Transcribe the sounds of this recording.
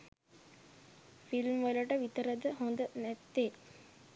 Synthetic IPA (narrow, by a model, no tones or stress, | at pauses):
filmʋəlɐʈəʋit̪əɾəd̪əɦond̪ənæt̪ːeː